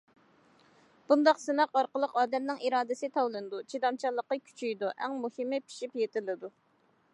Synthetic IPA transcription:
b̥und̪ɑqsɨnɑqɑɾqəlˠəqɑːd̪ɛmnɪŋiɾɑːd̪ɪsɪt̪ʰɑwlˠɨnɨd̪ut͡ʃʰid̪ɑmt͡ʃʰɑlˠːəqːəkʲʰy̥t͡ʃʰyjd̪uʔæŋmuhɪmːɪpʰi̥ʃipjet̪ɪlɪd̪u

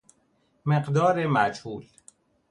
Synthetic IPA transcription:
meqd̪ɒːɾemæd͡ʒhuːl

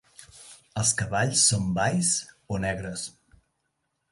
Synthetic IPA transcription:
əlˠskəβaʎsːombajs | onɛɣɾəs

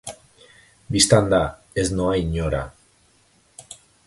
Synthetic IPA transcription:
bist̪and̪a | eznoajɲoɾa̰

